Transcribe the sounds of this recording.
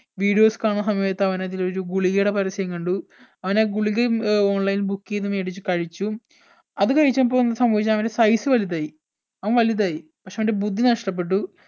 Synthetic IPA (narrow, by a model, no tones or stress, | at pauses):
ʋiːɽijo̞ːskaːɳsɐmeɐt̪ːɐʋɐnɐðilo̞ɾuɡuɭiɣeːɽɐpɐɾɐsɐjɐŋːkɐɳɖu | ɐʋɐneɡuɭiɣɐoːɳlɐjnbukːenːumeːɽit͡ɕːɨkɐɻit͡ɕːu | ɐðɨkɐɻit͡ɕːaːmip̬ːoːenɐðsɐmbɐːʋit͡ɕːaɐʋɐnde̞sɐjsɨʋɐlijɐðaːji | ɐʋɐnʋɐlijɐðaːji | pɐkʂeɐʋɐndebud̪ʱːinɐʂʈɐp̬ːe̞ʈ̬ːu